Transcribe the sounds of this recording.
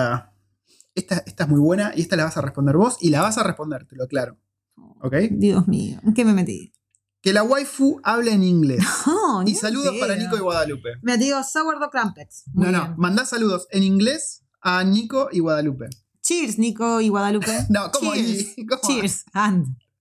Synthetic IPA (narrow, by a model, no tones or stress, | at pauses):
a | eht̪aeht̪aeɦmujβwe̞naʔieht̪alaβasarehpond̪eɾβo̞silaβasarehpond̪eɾt̪eloklaɾo | oo̰kejd̪iozmḭokememet̪ḭ | kelawajfuaβleːniŋɡlesnisaluðopaɾanikoiɣwaðalupe̞met̪iosawaɾðokɾampet̪nonõmãnd̪asːaluðoseniŋɡles | aniko̞ʔiɣwaðalupe̞ | t͡ʃiɾsnikoiɣwaðalupenokomoikomt͡ʃiɾsand̪